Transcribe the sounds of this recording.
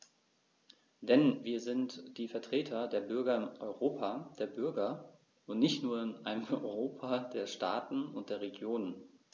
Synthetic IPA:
d̥ɛnviːɐzɪntd̥iːfɛɐtʁ̥eːtʰɐdeːɐbʏɐɡɐɪnʔɔʏʁoːpʰad̥eːɐbʏɐɡɐ | ʔʊntnɪçtnuːɐɪnʔaɪnəmɔʏʏʁoːpʰadeːɐʃta̰ːtn̩ʊnt̚d̥eːɐʁ̞eɡjoːnən

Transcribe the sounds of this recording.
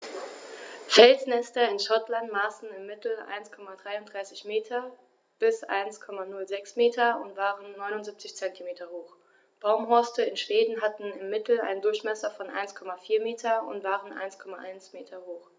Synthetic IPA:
fɛlsnɛstɐɪnʃɔtlantmaːsn̩ɪmːɪtl̩ʔa̰ɪnskʰɔmadʁaɪʊntd̥ʁaɪsɪçmeːtʰɐ | b̥ɪsʔa̰ɪnskʰɔmanʊlzɛksmeːtʰɐʊntv̥aːʁənːɔʏnʊntzip̚t͡sɪçt͡sɛntimeːtʰɐhoːχ | b̥aʊmɦɔɐstəɪnʃv̥eːdn̩ɦatn̩ɪmːɪtl̩a̰ɪndʊɐçmɛsɐfɔnʔa̰ɪnskʰɔmafiːɐmeːtʰɐʊ̰ntv̥aːʁənʔa̰ɪnskʰɔmaʔa̰ɪnsmeːtʰɐhoːχ

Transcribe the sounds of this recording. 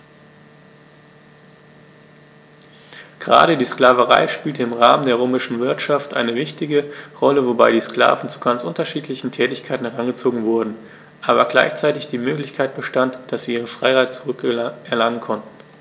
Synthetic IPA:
ɡ̥əʁa̰ːɾədiːskl̥aːvəʁa̰ɪʃpiːltəɪmʁaːməndeːʁoːmɪʃn̩vɪɐtʃaftʔa̰ɪnəvɪçtɪɡəʁɔləvobaɪɾiːskla̰ːvn̩t͡su̥ɡ̥ant͡sʔʊntɐʃiːtʰlɪçn̩tʰɛːtɪçkʰaɪtn̩hɛʁanɡət͡soːɡŋ̩vʊɐdn̩ | ʔaːβɐɡla̰ɪçt͡saɪtɪçd̥iːmøːklɪçkʰaɪt̚b̥əʃtantd̥asz̥iːʔiːʁəfʁ̥aɪhaɪt̚t͡suʁʏkʔɛɐlaŋənkʰɔntn̩

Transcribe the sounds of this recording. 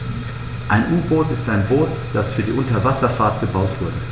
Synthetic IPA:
ʔaɪnʔuːboːtɪstaɪnboːt | d̥asfyːɐdiːʔʊntɐvasɐfaɐtɡ̥əbaʊtv̥ʊɐdə

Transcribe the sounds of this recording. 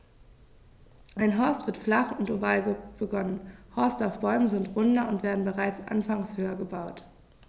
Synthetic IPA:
ʔaɪnɦɔɐstv̥ɪɐtflaχʊntovaːlɡəb̥əɡɔnənhɔɐstaʊfb̥ɔʏmənzɪntʁʊndɐʊntv̥eːɐdn̩bəʁaɪt͡sʔa̰nfaŋshøːɐɡəbaʊt

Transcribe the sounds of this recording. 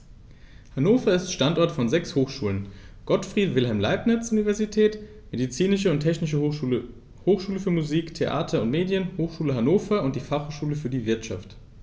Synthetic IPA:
hanoːfɐɪstʃtantʔɔɐtfɔnzɛkshoːxʃuːlənɡ̥ɔtfʁ̥iːtv̥ɪlɦɛlmla̰ɪpnɪt͡sʔunivɛɐzitʰɛːt | medit͡siːnɪʃəʊntʰɛçnɪʃ̬ə | hoːxʃuːləfyːɐmuziːktʰeʔa̰ːtʰɐʊntmeːdjənhoːxʃuːləɦanoːfɐʊnt̚d̥iːfaχhoːʃuːləfyːɐdiːvɪɐtʃa̰ft

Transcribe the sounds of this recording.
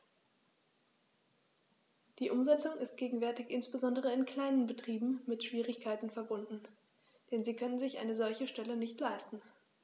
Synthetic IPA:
d̥iːʔʊmzɛt͡sʊŋɪst̚ɡ̥eːɡŋ̩vɛɐtɪçʔɪnsb̥əzɔndəʁ̞əɪnkʰl̥aɪnənbətʁ̥iːbm̩mɪtʃv̥iːʁɪçkʰaɪtn̩fɛɐbʊndn̩ | d̥ɛnziːkʰœnənzɪçʔa̰ɪnəzɔlçəʃtɛlənɪçtlaɪstn̩

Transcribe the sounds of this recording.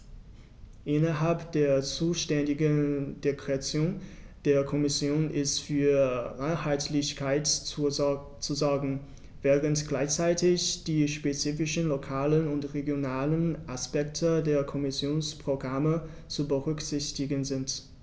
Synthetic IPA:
ʔɪnɐɦalpd̥eːɐt͡suːʃtɛndɪɡəd̥ekʁ̥eat͡sjoːnd̥eːɐkʰɔmɪsjoːnʔɪstfyːɐʁaɪnhaɪtʰlɪçkʰaɪt | t͡suzɔɐɡŋ̩ | vɛːʁəntɡ̥laɪçt͡saɪtɪçd̥iːʃpet͡siːfɪʃənlokʰaːlənʊntʁeɡjonaːlənʔaspɛktʰədeːɐkʰɔmɪsjoːnspʁ̥oɡʁamə | t͡subəʁʏkz̥ɪçtɪɡənzɪnt

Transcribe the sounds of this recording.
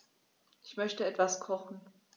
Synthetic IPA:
ʔɪçmœçtəɛtv̥askʰɔχn̩

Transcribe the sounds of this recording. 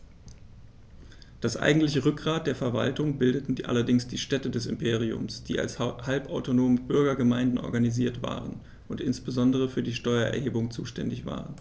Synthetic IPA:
d̥asʔa̰ɪɡŋ̩tlɪçəʁʏk̚ɡ̥ʁaːt̚d̥eːɐfɛɐva̰ltʊŋbɪldətn̩ʔa̰lɐdɪŋsd̥iːʃtɛtədɛsɪmpʰeːʁ̞iʊ̰msd̥iːa̰lshalpaʊtonoːməbʏɐɡɐɡəmaɪndn̩ʔɔ̰ɐɡaniziːɐtv̥a̰ːʁən | ʔʊntʔɪnsb̥əzɔndəʁəfyːɐdiːʃtɔʏɐʔɛ̰ɐɦeːbʊŋt͡suːʃtɛ̰ndɪçv̥a̰ːʁən

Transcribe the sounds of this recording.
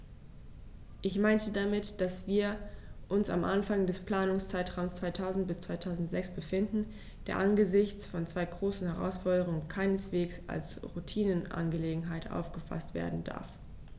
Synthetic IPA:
ʔɪçmaɪntədamɪtd̥asv̥iːɐʔʊnsa̰mʔa̰nfaŋdɛspl̥aːnʊŋst͡saɪtʁ̥aʊmst͡sv̥aɪtʰaʊzn̩t̚b̥ɪst͡sv̥aɪtʰaʊzn̩tz̥ɛksb̥əfɪndn̩ | d̥ḛːɐʔanɡəzɪçt͡sfɔnt͡sv̥aɪɡʁoːsn̩hɛʁa̰ʊsfɔɐdəʁ̞ʊŋənkʰaɪnəsv̥eːksa̰lsʁutʰiːnənʔa̰nɡəleːɡŋ̩ɦaɪtʔa̰ʊfɡ̥əfa̰stv̥ḛːɐdn̩da̰ɐf

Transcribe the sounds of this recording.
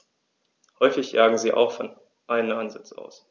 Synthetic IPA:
hɔʏfɪçjaːɡŋ̩ziːʔa̰ʊxfɔn | ʔaɪnənanzɪt͡sʔa̰ʊs

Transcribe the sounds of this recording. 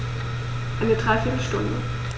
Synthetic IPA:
ʔaɪnədʁaɪfiːtl̩ʃtʊndə̰

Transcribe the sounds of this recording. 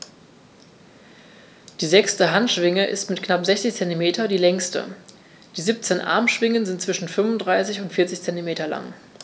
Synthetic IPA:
d̥iːzɛkstəɦantʃv̥ɪŋəʔɪ̰stmɪtknapz̥ɛçt͡sɪçt͡sɛntimeːtʰɐdiːlɛŋstə̰ | d̥iːziːp̚t͡senʔa̰ɐmʃv̥ɪŋənzɪntt͡sv̥ɪʃn̩fʏmvʊndʁaɪsɪçʊntfɪɐt͡sɪçt͡sɛntimeːtɐla̰ŋ

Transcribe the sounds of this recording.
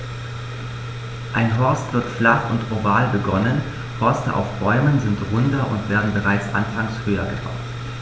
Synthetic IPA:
ʔaɪnɦɔɐstv̥ɪɐtflaχʊ̰ntʁovaːlbəɡɔnən | hɔɐstə̰ʔa̰ʊfb̥ɔʏmənzɪntʁʊndɐʔʊ̰ntv̥eːɐdn̩bəʁaɪt͡sʔa̰nfaŋshøːɐɡəba̰ʊt

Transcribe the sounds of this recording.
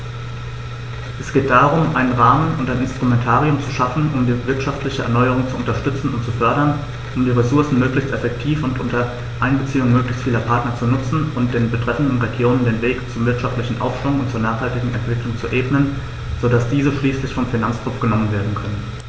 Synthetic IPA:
ʔɛsɡ̥eːt̚d̥aːʁʊmʔaɪnənʁaːmənʊntaɪnɪnstʁ̥umɛntʰaːʁiʊmt͡suʃafn̩ʔʊmdiːvɪɐtʃaftlɪçəʔɛ̰ɐnɔʏəʁ̞ʊŋt͡suʔʊntɐʃtʏt͡sn̩ʊntt͡sufœɐɾɐn | ʔʊmdiːʁesʊɐsn̩møːklɪçtɛfɛktʰiːfʊntʔʊntɐ | ʔaɪnbət͡siːʊŋmøːklɪçstfiːlɐpʰaɐtnɐt͡sunʊt͡sn̩ʔʊnt̚d̥eːnbətʁ̥ɛfn̩dn̩ʁeɡjoːnəndeːnveːkt͡sʊmvɪɐtʃaftlɪçn̩ʔa̰ʊfʃv̥ʊŋʊntt͡suːɐnaːχhaltɪɡŋ̩ɛ̰ntv̥ɪklʊŋt͡suʔeːbnən | z̥odasd̥iːzəʃliːslɪçfɔmfinant͡skʁ̥ʊpp͡fɡ̥ənɔmənveːɐdn̩kʰœnən

